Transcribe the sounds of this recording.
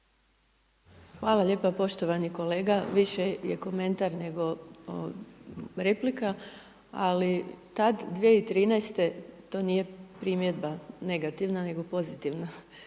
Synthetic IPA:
xʋaːlaʎe̞ːpapo̞ʃt̪oʋaniko̞le̞ːɡaʋiʃejḛko̞me̞nt̪aɾne̞ɡo̞ | ɾe̞plika | a̰lit̪ad̪d̪ʋijeit̪ɾiːnajst̪e̞t̪o̞ːniːje̞pɾimjed̪bane̞ɡat̪iʋnane̞ɡo̞po̞zit̪iʋna

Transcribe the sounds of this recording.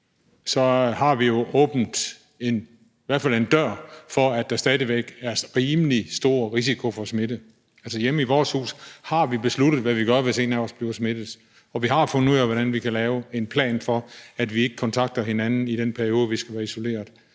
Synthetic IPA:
sɒ̽hɑ̈ʋijo̝ʔɔ̽ːb̥n̩d̥ | e̝n | iʋæɐ̰̥fæle̝nd̥ɶɐ̰fɒ̽æd̥ɑ̈sd̥ɛð̞ˠiʋeɡ̥æɐʁiːməlisd̥o̝̰ːɐʁis̬ikʰo̝fɒ̽sme̝d̥ə | ælsəjemiʋɒːshṵːshɑ̈ʋib̥e̝sluɾ̥ð̩ˠʋæʋiɡ̥ɶɐʋe̝se̝̰ːnæɒsb̥liːʊsme̝d̥ð̩ˠ | ɒ̽ʋiɦɑ̈fɔ̽n̩uð̰ˠæʋɒɾænʋikʰælɛːʊe̝npʰlɛ̰ːnfɒ̽æd̥ʋie̝ɡ̥əkʰɒ̽nt͡sʰɑ̈ɡ̥̚d̥ɐhe̝nænn̩id̥enpʰæɐjo̝ːð̞ˠʋisɡ̥æʋæːɐiso̝le̝̰ːɐðˠ

